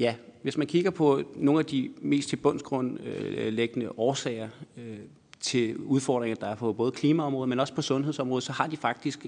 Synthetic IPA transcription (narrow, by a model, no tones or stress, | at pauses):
jæʋe̝smænkʰiɡ̥ɐpʰɒ̽no̝ːn̩æd̥ime̝̰ːst͡sʰe̝lb̥ɔ̽n̰sɡ̥ʁɔ̽n̰leɡ̥ənəʔɒːsɛ̰ɪɐø | t͡sʰe̝luð̞ˠfɒ̰ːd̥ʁeŋɐd̥ɑ̈æɐfʰɒb̥ɔ̽ːðˠkʰliːmæɒ̽mʁɔːð̞̩ˠmenɒ̽sə̥pʰɒ̽sɔ̽nɦe̝ðˠsɒ̽mʁɔ̽ːðˠsɒ̽hɑ̈d̥ifɑ̈ɡ̥̚d̥isɡ̥